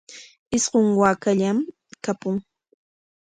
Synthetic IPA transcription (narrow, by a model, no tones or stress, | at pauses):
ɪsɢoŋwaːkaʎam | kapʊŋ